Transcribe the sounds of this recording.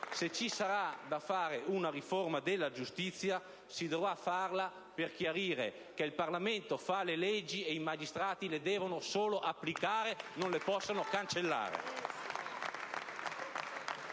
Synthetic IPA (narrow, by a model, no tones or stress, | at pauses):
set͡ʃisaɾad̪afaːɾeunaɾiformad̪elːad͡ʒust̪it̪sːja | sid̪ovɾafarla | perk̟jaɾiːɾḛ | keilparlament̪ofalelɛd͡ʒːiejmad͡ʒist̪ɾaːt̪iled̪ɛːvonosoːloʔapːlikaːɾenõnlepɔsːanokant͡ʃelːa̰ːɾḛ